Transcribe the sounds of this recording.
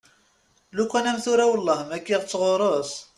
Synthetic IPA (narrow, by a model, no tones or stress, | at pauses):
lukʷːænæmθuɾæwəlˤːɑhəmækːiʁt͡sːʁoɾˤos